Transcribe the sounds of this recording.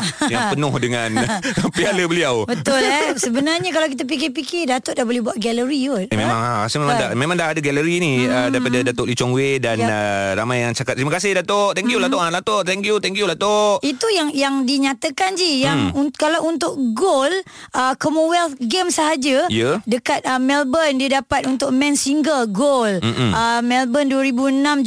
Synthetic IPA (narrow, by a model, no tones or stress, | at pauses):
jaŋpənɔhdəŋãnpialəbəliawbət̪ʊlɛsəbənarɲəkalawkit̪̬ap̬ik̬epikɪdat̪ʊʔdahbolɛhbuaʔ̪̚ɡɛləɾioemẽmãŋaasəmemãdamẽmãŋdaɦadəɡɛləɾiniədaipadədat̪ʊʔlit͡ʃɔŋwedanəɾamajaŋt͡ʃakat̪̚ɾimakasɪhdat̪oʔt̪ɛŋkjulat̪oʔanlat̪oʔt̪ɛŋkjut̪ɛŋkjulat̪oʔit̪ujaŋjaŋdiɲat̪əkand͡ʒijaŋukalawunt̪ʊʔɡol | əkomowɛlt̪ɡɛmsəɦad͡ʒəiədəkat̪̚əmɛlbəndiədapat̪unt̪ʊʔ̚mɛ̃nsiŋɡəlɡoləmɛlbənduəɾibuənãm